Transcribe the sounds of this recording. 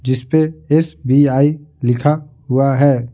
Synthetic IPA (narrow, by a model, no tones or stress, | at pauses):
d͡ʒɪspeesbiaːilɪkʰaɦʊaɦɛː